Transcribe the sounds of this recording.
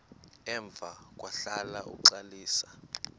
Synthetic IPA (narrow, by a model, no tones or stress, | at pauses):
ɛɱb̪vʱak̬ʼwaɬalaʔṵǀaliːsḁ